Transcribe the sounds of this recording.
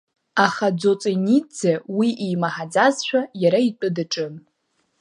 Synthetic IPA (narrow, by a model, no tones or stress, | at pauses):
aχad͡zot͡sʼenid͡zewiʔijmaħad͡zazʃʷᶣajaɾait͡pʷʼɨdaʈ͡ʂʼɨn